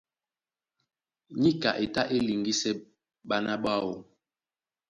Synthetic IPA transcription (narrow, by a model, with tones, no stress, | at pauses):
ɲi˦ka˨ʔe˨ta˦ʔe˦li˨ŋɡi˦sɛ˦ | ɓa˦na˦ɓa˦˨wo˨